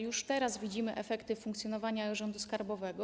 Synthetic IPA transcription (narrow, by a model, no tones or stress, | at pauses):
juʂt̪ɛɾazvʲid͡ʑimɘʔɛfɛkt̪ɘfuŋkt̪sʲjɔnɔvaɲaʐɔnd̪uskaɾbɔvɛɡɔ